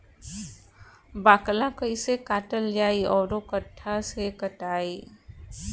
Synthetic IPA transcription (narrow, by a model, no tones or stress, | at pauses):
baːklãkəisekaːʈəld͡ʒaːiɔːɾokəʈʰːasekəʈaːi